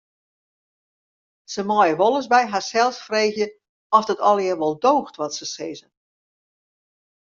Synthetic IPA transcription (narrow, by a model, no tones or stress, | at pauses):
səmɔjəʋɔlˠəz̬bɛjɦarsɛlˠsfreːɣjə | ɔsdətɔlˠjɪrʋɔlˠdoːxtʋɔtsəsɪzən